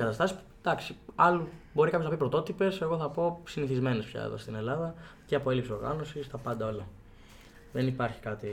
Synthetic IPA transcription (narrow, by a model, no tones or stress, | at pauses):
kɐt̪ɐst̪ɐsi̥pud̪̥ɐksiɐlubo̞ɾikɐpçoznɐpipɾo̞t̪o̞t̪ipe̞se̞ɣo̞θɐpo̞siniθizme̞nespçɐ̰ḛðo̰st̪ine̞lɐðɐceɐpo̞e̞lipsiso̞ɾɣɐ̰no̞sist̪ɐpɐnd̪ɐo̞lɐ | ðenipɐɾçi̥kɐt̪i